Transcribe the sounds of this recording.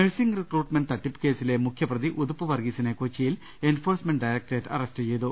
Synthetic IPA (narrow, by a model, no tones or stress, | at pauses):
meɻsiŋɡrikruːʈmɐnɖt̪ɐʈːipːɨ̥ke̞ːsilemukʰjɐprɐðiʔud̪upːɨʋɐrɡisɐnekot͡ɕːijil | e̞nfoːrsmeɳɖɖɐjɾɐk̚ʈeːʈːɐrestɨt͡ɕejt̪u